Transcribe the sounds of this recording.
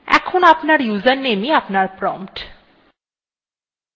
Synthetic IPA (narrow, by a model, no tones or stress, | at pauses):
ɛ̰kʰonapnaɾjuzanːemiapnaɾpɾɔmpʈ